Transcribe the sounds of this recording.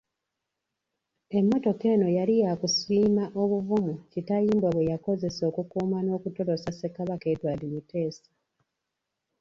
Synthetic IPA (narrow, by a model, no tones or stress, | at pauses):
e̞mːo̞to̞ke̞ːno̞jalijakusiːmaʔo̞βuvumucitajiːmbwaβwejako̞ze̞so̞ːkukuːmano̞ːkuto̞ɾo̞sase̞kaβake̞twaːlimute̞ːsḁ